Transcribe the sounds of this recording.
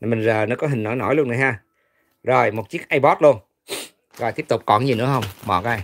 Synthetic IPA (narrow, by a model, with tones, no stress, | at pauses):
a˨˩mï˨˩ŋ̟zəː˨˩n˨˦kɔ˨˦ɦï˨˩ŋ̟nɔ˨˦jnɔ̰˧˨˦jlu˧əna˨˩jɦaː˧ | zo˨˩jmo˨˩t̚t͡ɕi˦˥ək̚ʔaː˧jɓɔ˦˥t̚lu˧ən | zo˨˩jt̪i˦˥p̚t̪ʊ˨˩k͡p̚kɔ˧˩nzi˨˩nɨ̰˧˥əɦə˧wŋ͡mmɔ̰ː˨˩kɔ˧a˧j